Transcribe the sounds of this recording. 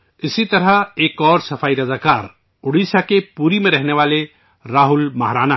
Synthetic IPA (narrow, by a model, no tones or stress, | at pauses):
ɪsit̪ɐɾəeːkɔːɾsɐpʰaːiɾɐzakaːɾ | ʊɽisakepuːɾimẽɾəɦneʋaːle | ɾaːɦʊlmɐɦɾaːna